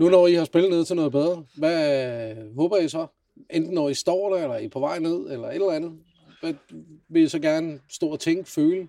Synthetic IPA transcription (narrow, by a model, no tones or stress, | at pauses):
nunɒihɑ̈sb̥eləne̝ð̞̰ˠt͡sʰe̝lnɔ̽ːð̩beð̞ˠʁɐʋæ | ɦɔ̽ːb̥ɐjɑ̈sɒ̽ | ʔend̥n̩ːɒisd̥ɒ̰ːɾ̥æelɐipʰɒ̽ʋɑ̈ɪ̰ne̝ð̞̰ˠelɐe̝d̥lænð̩ˠ | ʋæʋe̝jisɒ̽ɡ̥æɐnəsd̥ɔ̰ːɒt͡sʰeŋɡ̥əføːlə